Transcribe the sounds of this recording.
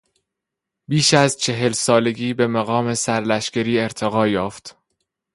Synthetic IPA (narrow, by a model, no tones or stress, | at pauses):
biːʃæzt͡ʃʰe̞ɦe̞lsɒːle̞ɡiːbe̞mæɣɒːme̞sæɾlæʃcæɾiːe̞ɾt̪ʰeɣɒːjɒːft̪